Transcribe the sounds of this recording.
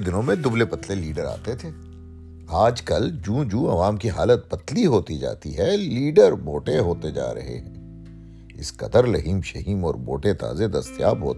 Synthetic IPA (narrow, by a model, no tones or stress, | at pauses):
d̪ɪnõmẽd̪ʊblepɐt̪leliːɖəɾa̰ːt̪et̪ʰeː | aːd͡ʒkɐld͡ʒũːd͡ʒũːɐʋaːmkiɦaːlət̪̚pɐt̪liɦoːt̪id͡ʒa̰ːt̪iɦɛliːɖəɾboːʈeɦoːt̪ed͡ʒa̰ːɾɐ̰ɦḛɦɛ̃ː | ɪ̰skɐ̰d̪əɾlɐɦiːmʃɐɦiːmɔ̰ːɾboːʈet̪a̰ːzed̪ɐst̪ɪja̰ːbɦo̰ːt̪ː